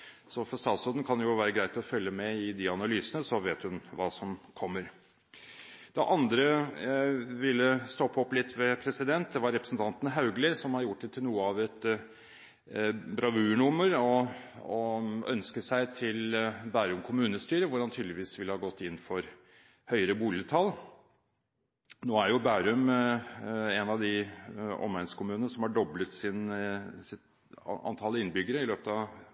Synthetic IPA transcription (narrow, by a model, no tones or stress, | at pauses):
sɔfɔʂt̪ɑːt̪sɔd̪n̩kʰɑnjʊʋæːɾəɡɾæɪt̪ɔfœlːəmɛɪd̪ɪɑnɑlyːsənəsɔʋeːt̪hʉnʋɑːsɔmkʰɔmːəɾ | d̪̥ɛʔɑnd̪ɾə | ʋɪlːəst̪ɔpːɔpːlɪt̪ːʋɛpʰɾɛsɪd̪ɛnt̪̚d̪ɛʋɑɾɛpɾə̥sn̩t̪ʰɑnt̪nɦɑʉɡləsɔmhɑɾjʊʈ̚d̪ɛt̪ʰɪlnuːəɑʋɛt̪ | bɾɑʋʉːɳʊməɾɔɔœ̰nskəsæɪt̪ʰɪlbæːɾʉmkʰʊmʉːnəst̪yːɾəʋʊɾhɑnt̪ʰyːd̪lɪʋiːsʋɪləhɑːɡɔt̪ːɪnːfɔɾ | hœʏəɾəbuːlɪət̪ʰɑl | noːæɾjʊbæːɾʉm | ɛnɑʋd̪ɪɔ̰mæɪskʰʊmʉːnənəsɔmhɑɖɔblət̪sɪnsɪt̪ | ɑ̰nt̪ʰɑːlːəɪnbʏɡəɾəɪløːpət̪ʰɑʋ